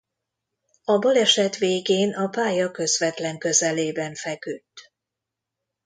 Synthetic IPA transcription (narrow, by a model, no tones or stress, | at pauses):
ɒbɒlɛʃɛt̪ʋeːɡeːnɒpaːjɒkø̞zʋɛt̪lɛŋkø̞zɛleːbɛɱfɛkyt̪ː